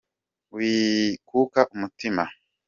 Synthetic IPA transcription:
wiːkukaʔumutima

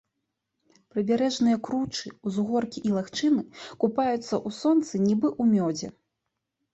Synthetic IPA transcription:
pɾɨbʲaɾɛʐnɨjɐkɾut͡ʂɨuzɣɔrkʲiʔilˠaxt͡ʂɨnɨkupajut̪sːɐʔusɔnt̪sɨnʲibɨʔumʲɔd͡zʲɛ̰

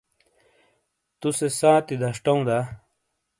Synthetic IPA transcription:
t̪usesãːt̪id̪ʱɐʂʈɐũd̪a

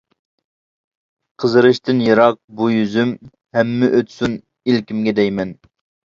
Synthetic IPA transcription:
qʰəzɨɾɨʃt̪ɨnjɨɾɑq̚bujyzym | hɛmːɪʔøt̪sun | ilkʲimɡʲɛd̪ɛjmɛn

